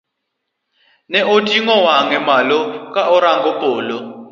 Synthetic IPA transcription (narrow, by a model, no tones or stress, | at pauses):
nɛʔotʼiŋɔwaŋɛmalɔkʼaʔɔɾaŋɡɔpʼɔːlɔ